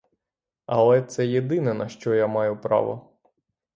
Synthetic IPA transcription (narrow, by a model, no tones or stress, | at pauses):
ɐlˠɛt̪sɛjed̪ɪnɛnɐʃt͡ʃɔjamɑjʊpɾɑ̰ʋɔ̰